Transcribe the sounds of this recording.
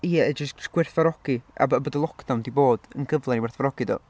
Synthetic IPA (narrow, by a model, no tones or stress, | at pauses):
iːɛɛd͡ʒəsɡ̥wɪrθvaɾɔɡ̥ia̰bəbədəlˠɔkʰd̥andiboːd̥ə̰nɡəvlˠɛniwɛrθvaɾɔɡ̥ido̰ː